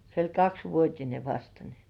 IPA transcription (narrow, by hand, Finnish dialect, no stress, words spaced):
se olʲ kɑksʋuotʲine ʋɑstɑ ni